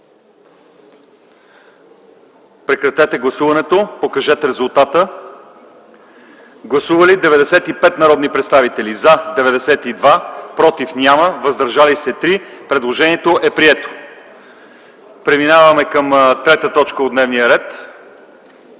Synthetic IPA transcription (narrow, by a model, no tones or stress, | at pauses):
pɾɛkɾɐt̪ɛt̪ɛɡlˠɐsuvɐnɛt̪opokɐʒɛt̪ɛɾɛzulˠt̪at̪ə | ɡlˠɐsuvəlid̪ɛvɛd̪ɛsɛt̪ipɛt̪nɐɾɔd̪nipɾɛt̪st̪avit̪ɛlizəd̪ɛvɛd̪ɛsɛt̪id̪vapɾɔt̪ifnʲjaməvəzd̪ɐɾʒalisɛt̪ɾipɾɛd̪lˠoʒɛniɛt̪oʔɛpɾiɛt̪o̥ | pɾɛminavəmɛkəmt̪ɾɛt̪ət̪ɔt͡ʃkəod̪nɛvnijəɾɛt̪